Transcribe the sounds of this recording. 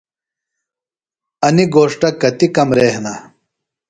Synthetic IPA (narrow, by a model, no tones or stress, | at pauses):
ɐniɡoːʂʈɐkɐt̪ikɐmɾeːhnɐ